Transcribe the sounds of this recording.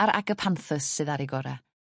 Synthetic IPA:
aɾa̰ɡəpʰanθəsːɨðaɾiɡɔɾa̰

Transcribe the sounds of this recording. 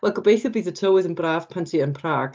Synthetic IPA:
wɛlˠɡəbejθəbiðətʰowɪðɪ̃nbɾaːv̥pʰãntʰiənpʰr̥aːɡ̥

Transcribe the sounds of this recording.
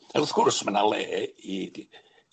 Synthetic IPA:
aɔθkʰʊrsmanalˠeːi

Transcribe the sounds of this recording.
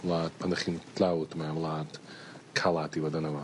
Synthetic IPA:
lˠaːd̚pʰanəχintʰlawtmaamlˠaːd | kʰalˠativadanava

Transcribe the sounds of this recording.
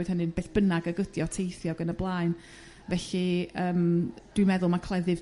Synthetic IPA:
ɨd̥hənɨnbeːɬb̥ənaɡəɡədjɔtʰejθjɔɡənəblˠaːɨn | vɛɬiəːmd̥wimɛðʊlˠmakʰlˠɛðɨv

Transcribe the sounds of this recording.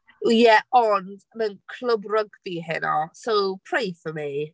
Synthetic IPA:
jɛɔndmənkʰlˠəbrəɡðiɦɪ̰nɔsowpʰr̥ejfəmi

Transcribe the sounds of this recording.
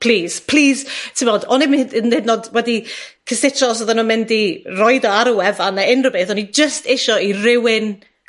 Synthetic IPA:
pʰl̥iːz̥pʰl̥iːztʰɪmvoːdɔnɪmhdənednodwɛdikʰəsɪtʰɔs̬ɔðanɔmɪndirɔɨðɔaɾɔwɛvanaɪnrəbeːθɔnid͡ʒəstʰɪʃɔirɪwɪn

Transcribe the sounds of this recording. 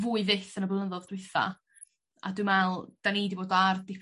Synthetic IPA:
vuːɨvɪθənəblˠəðɔðd̥wɪθa̰ | a̰dumɛlˠd̥anidiboːdardɪpʰ

